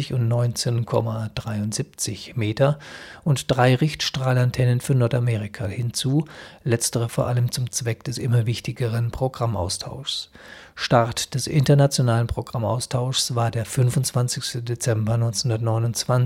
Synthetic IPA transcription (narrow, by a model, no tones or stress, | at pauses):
ɪçʊntnɔʏnt͡seːnkʰɔ̰mad̥ʁaɪʊntz̥ip̚t͡sɪçmeːtɐʔʊntd̥ʁaɪʁɪçtʃtʁ̥aːlantʰɛnənfyːɐnɔɐtameːʁɪkʰahɪnt͡suːlɛt͡stəʁəfoːɐʔaləmt͡sʊmt͡sv̥ɛkd̥ɛsʔɪmɐvɪçtɪɡəʁənpʁ̥oɡʁamʔa̰ʊstʰaʊʃs | ʃtaʁtd̥ɛsʔɪ̰ntɐnat͡sjonaːlənpʁ̥oɡ̥ʁama̰ʊstʰaʊʃsv̥aːɐdeːɐfʏnvʊnt͡sv̥ansɪçstədet͡sɛmbɐnɔʏnt͡shʊndɐtnɔʏnʊnt͡sv̥an